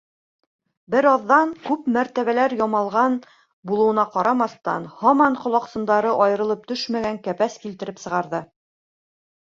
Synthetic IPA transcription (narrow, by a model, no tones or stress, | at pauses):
bɘɾɑðːɑŋkʉpmæɾt̪æβælæɾjɒmɑlˠʁɑn | bulˠɤ̆wɤ̆nɑqɑɾɑmɑθt̪ɑ̰nhɑmɑɴqŏlˠɑqsɤ̆nd̪ɑɾɤʔɑjɤ̆ɾɤ̆lˠɤp̚t̪ɵʃmæɡæŋkæpæskilt̪ɘ̆ɾɘpsɤ̆ʁɑɾðɤ